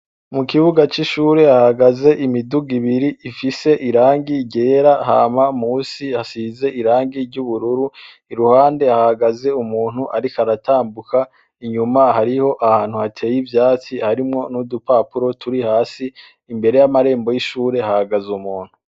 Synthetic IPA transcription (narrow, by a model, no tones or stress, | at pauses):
mukiβuɡat͡ʃiʃuːɾe̞ahaɡaze̞ʔimiduɡiβiɾiːfise̞ʔiɾaːŋɡiɟe̞ːɾaɦa̰ːmamuːsiasize̞ʔiɾaːŋɡiɾɟuβuɾuɾu | iɾuhaːnde̞ahaɡaze̞umuːn̥huʔaɾikaɾataːmbukʰa | iɲumahaɾiho̞ʔahaːn̥huhatʰe̞ːjivjaːt͡sihaɾimŋo̞nudupapuɾo̞tʰuɾihaːsiː | mbe̞ɾe̞jamaɾe̞ːmbo̞jiʃuːɾe̞hahaɡazumuːn̥hu